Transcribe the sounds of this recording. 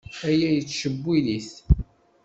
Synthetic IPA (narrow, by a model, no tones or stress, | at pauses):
æjæjət͡sːʃəbːiliθ